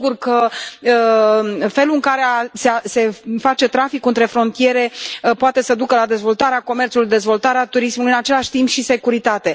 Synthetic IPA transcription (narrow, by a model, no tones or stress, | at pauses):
ɡurkəə | fe̞luɨŋkaɾe̞asease̞fat͡ʃe̞t̪ɾafikɨnt̪ɾe̞fɾo̞nt̪ije̞ɾe̞poat̪e̞səd̪ukəlad̪e̞zvo̞lt̪aɾeako̞me̞rt̪sulujd̪e̞zvo̞lt̪aɾeat̪uɾismulujɨnat͡ʃe̞laʃʲt̪impʃise̞kuɾit̪at̪e̞